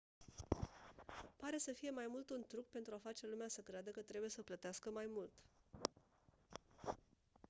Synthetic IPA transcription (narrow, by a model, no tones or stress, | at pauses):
paɾe̞səfije̞majmult̪unt̪ɾuk̚pe̞nt̪ɾuafat͡ʃe̞lumeasəkɾead̪əkət̪ɾe̞buje̞səplət̪easkəmajmult̪